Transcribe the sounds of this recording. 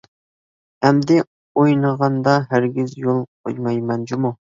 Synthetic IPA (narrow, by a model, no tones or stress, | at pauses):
ɛmd̪ɪ | ojnəʁɑnd̪ɑɦæɾɡʲizjolˠqʰo̰jmɑjmɛnd͡ʒumu